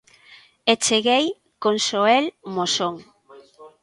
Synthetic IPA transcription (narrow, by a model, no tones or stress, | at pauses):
et͡ʃeɣej | konsoɛlmosoŋ